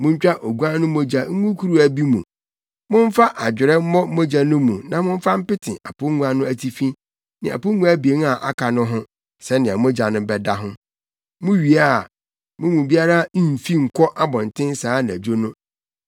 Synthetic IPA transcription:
mʊ̃˦ɲ̩˦t͡ɕᶣa˦ʔo˨ɡu˦a˦nʊ̃˦mo˦d͡ʑa˨ŋ̩˦ɡũ˦kʰu˦ɾu˦æ˨bi˦mũ˨ | mʊ̃˦ɱ̩˦fa˦ʔa˨d͡ʑᶣɪ˨ɾɛ˦m̩˦mɔ˦mo˦d͡ʑa˨nʊ̃˦mũ˨nã˨mʊ̃˦ɱ̩˦fa˦m̩˦pɪ˦tʰɪ̃˨ʔa˨pʰʊ˦ŋũ˦a˦nʊ̃˦æ˨tʰi˦fĩ˦ | nɪ̃˨a̰˨pʊ˦ŋũ˦æ˦bi˨e˨˦n˦a˨ʔa˦kʰa˨nʊ̃˦ɦʊ̃˦ | sɛ˦nɪ̃˨a˨mõ˦d͡ʑa˨nʊ̃˦bɛ˦da˦ɦʊ̃˦ | mʊ̃˦ɥi˨a˦˨ | mʊ̃˦mũ˨bi˦a˦ɾa˦n˦m̩˨fi˦ŋ̩˨kʷʰɔ˦ʔa˦bɔ̃˨n̩˨tʰɪ̃˦n˦saː˨˦nɪ̃˨æ̰˨d͡ʑᶣo˦nʊ̃˦

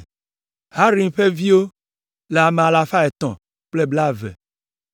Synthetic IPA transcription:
ha˦ɾĩ˨ŋɸe˦vi˦wo˦ | le˨a˨me˨a˨la˨fa˦e˨t̪ɔ̰̃˨ | k͡ple˦bla˦vɛ̰˨

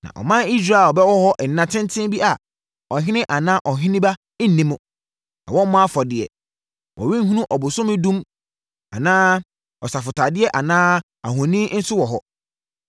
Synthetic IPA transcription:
nã̰˨ʔɔ̰˨mã˦ni˦s̬ɾaː˦˨ɔ˨bɛ˦wɔ˦hɔ˦ʔ̩˨nːã˨tʰɪ̃˦n˦tʰɪ̃˦m˦bi˦ʔa˨ | ɔ˨ɦɪ̃˦nɪ̃˦ʔa˨nãː˦ʔɔ˨ɦɪ̃˦nɪ̃˦bã˦ | n̩˦nĩ˦mʊ̃˨ | nã̰˨wɔ̃˦m˦mã˦fɔ˨dɪ˨ɛ̰˨ | wɔ̰˨wĩ˦ŋ̩˦ɦũ˦nũ˦ʔɔ˨bʊ˨sʊ̃˦mɪ̃˦dũ˦m | a̰˨nãː˦ | ɔ˨sa˨fʊ˨tʰa˨dɪ˦ɛ˦ʔa˨nãː˦ | a̰˨ɦɔ̃˨nĩ˦n̩˦sʊ˦wɔ˨ɦɔ˦

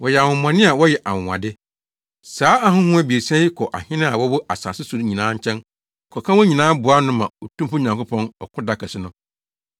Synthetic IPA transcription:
wɔ˨jɛ˨a˨wʊ̃˨m˨ã˨nɪ̃˦a˨wɔ˦jɛ˨ʔa˨wʊ̃˨ã̰˨dɪ˦ | saː˦a˦ɦʊ̃˦hũ˦ɛ˦bi˨e˨sɛ̃˦ɪ˦kʰɔ˨ʔa˨hɪ̃˦nɪ̃˦a˨wɔ˦wʊ˦ʔa˨sa̰ː˨sɪ˦sʊ˨ɾɲĩ˨nãː˨˦ɲ̩˦t͡ɕʰɛ̃˦n˨ | kʰɔ˨kʰã˦wɔ˦ɲĩ˨nãː˦bʊ˨a˦nʊ̃˦mã˨o˨tʰũ˦mpʊ˦ɲã˨ŋkʊ˦pʰɔ̃˦nɔ˨kʰʊ˦da˦kʰɛ˨sɪ˦nʊ̃˦

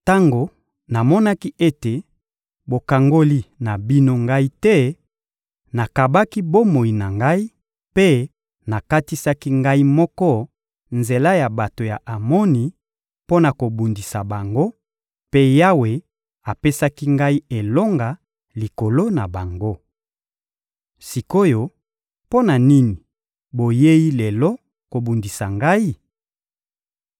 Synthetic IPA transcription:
ta˦ŋɡo˨ | na˨mɔ˦na˦ki˦ʔe˦te˨ | bo˨ka˨ŋɡo˦li˦na˨bi˦no˦ŋɡa˦i˦tɛ˦ | na˨ka˨ba˦ki˦bo˦mo˨i˨na˨ŋɡa˦i˦ | pe˦ | na˨ka˦ti˦sa˦ki˦ŋɡa˦i˦mɔ˦kɔ˦ | nze˨la˦ja˨ba˨to˨ja̰˨ʔa˨mɔ˦ni˨ | po˦na˨ko˨bu˨ndi˨sa˨ba˨ŋɡo˦ | pe˦ja˦we˨ | a˨pe˦sa˦ki˦ŋɡa˦i˦e˨lo˦ŋɡa˨ | li˨ko˨lo˦na˨ba˨ŋɡo˦ | si˨ko˦jo˨ | po˦na˨ni˦ni˨ | bo˨je˦ji˦lɛ˨lɔ˦ | ko˨bu˨ndi˨sa˨ŋɡa˦i˦

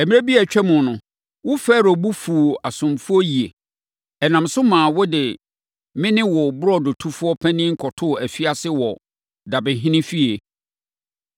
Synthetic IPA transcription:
ɛ˨mĩ˦ɾa˦bi˦æ˨t͡ɕᶣɛ˦mʊ̃˨nʊ̃˨ | wʊ˦fɛː˦˨ɾɔ˨bu˦fu˨a˨sʊ̃˨mfʊ˦ɔ˦ji˨e˨ | ɛ˨nã˨msʊ˦mãː˨wɔ˦dɪ˨ | mɪ̃˦nɪ̃˦wɔ˨bʊ˦ɾɔ˦dʊ˨tʰu˦fʊ˦ɔ˦pʰæ̃˦nɪ̃˦ŋ̩˦kʰɔ˨tʰʊ˦˨æ˨fi˦a˦sɪ˦wɔ˨ | da˨bɪ̃˨ɦɪ̃˦nɪ̃˦fi˦e˨

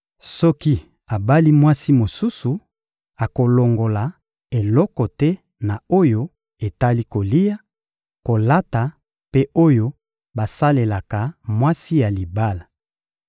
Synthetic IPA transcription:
sɔ˦ki˦ | a˨ba˦li˦mwa˦si˦mo˨su˦su˨ | a˨ko˨lo˨ŋɡo˨la˨ | e˨lɔ˦kɔ˨tɛ˦ | na˨o˦jo˦ | e˨ta˦li˦ko˨li˦ja˦ | ko˨la˦ta˨ | pe˦ʔo˦jo˦ | ba˨sa˦le˨la˨ka˨mwa˦si˦ja˨li˨ba˦la˨

